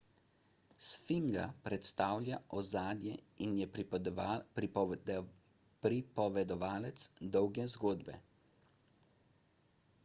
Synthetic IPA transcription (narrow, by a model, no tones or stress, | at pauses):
sfiŋɡa̰pɾɛt̪st̪aːwljaʔɔzaːd̪jɛinjɛ | pɾipɔʋɛd̪ɔʋaːlɛt̪sd̪ɔwɡɛzɡoːd̪bɛ̰